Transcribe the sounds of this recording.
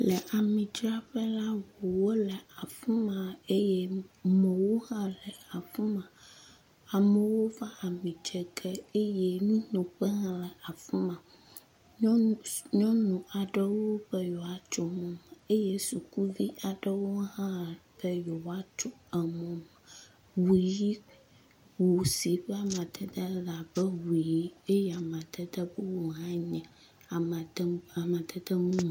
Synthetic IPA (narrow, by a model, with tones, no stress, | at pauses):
lɛ˨ʔa˨mĩ˨t͡ʃɾa˦ɸɛ˦la˦wo˨wo˦lɛ˨a˨fũ˦mã˨e˦je˦mɛ̃˨wo˦hã˦lɛ˨a˨fũ˦mã˨ | a˨mɛ˨wo˦va˦a˨mĩ˨d͡ʒɛ˨kɛ˦e˦jɛ˦mĩ˦nõ˨ɸɛ˦ɦã˦lɛ˨a˨fu˦mã˨˦ | ɲɔ̃˦nũ˨a˨ɖɛ˦wo˦ɸɛ˦jɔ˨a˨t͡ʃɔ˦mɔ̃˨m˨e˦je˦su˨ku˦vi˦ʔa˨ɖə˦wo˦ɦã˦lb̥ɛ˦jɔ˨wa˦t͡ʃɔ˦ɛ˨mɔ̃˨m˨ | wu˨ji˦ | wo˨si˨ɸɛ˦a˨mã˨d̪ɛ˦d̪ɛ˦la˨bɛ˦wu˨ji˦e˦jɛ˦a˨mã˨d̪ɛ˦d̪ɛ˦be˦wo˨ɦã˦ɲɛ̃˨ | a˨m˨˦a˨mã˨t̪ɛ˦d̪ɛ˦mũ˦mã˨